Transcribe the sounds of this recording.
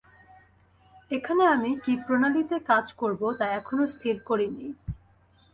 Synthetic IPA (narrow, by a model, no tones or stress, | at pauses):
ekʰaneamikipɾonalit̪ekad͡ʑkoɾbot̪aɛkʰonost̪ʰiɾkoɾini